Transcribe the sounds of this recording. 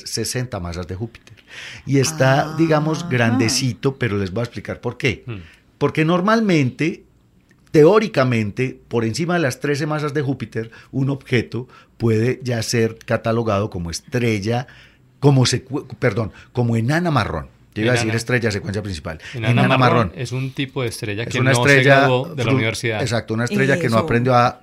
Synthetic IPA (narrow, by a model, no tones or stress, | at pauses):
sese̞nt̪amasazd̪e̞xupi̥t̪eɾie̞st̪ad̪iɣamo̞zɡɾand̪e̞sit̪o̞pe̞ɾo̞le̞zboaesplikaɾpo̞ɾke̞ | po̞ɾke̞no̞ɾmalmẽ̞nt̪e̞ | t̪e̞o̞ɾikamẽ̞nt̪e̞po̞ɾe̞nsimaðe̞last̪ɾe̞s̬e̞mas̬azd̪e̞xupit̪e̞ɾuno̞βxe̞t̪o̞pwe̞ð̞e̞d͡ʒase̞ɾkat̪alo̞ɣað̞o̞ko̞moest̪ɾe̞ʝa | komosekpeɾd̪o̞ŋko̞moenanama̰ro̰n | d͡ʒoiβaðesiɾest̪ɾe̞ʝas̬ekwensjapɾĩnsi̥pa̰lenanamaronesunt̪ipoðest̪ɾeʝaesunaestɾseʝadeauniβeɾsiðaes̬ak̚t̪ounaest̪ɾe̞ʝakenoapɾe̞nd̪joa